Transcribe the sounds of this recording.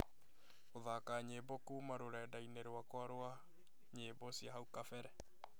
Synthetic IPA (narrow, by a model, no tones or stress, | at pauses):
oðaːkaːɲeːbɔkuːmaɾoɾɛdaineɾwakwaɾwa | ɲeːbɔsiaɦaukafɛɾɛ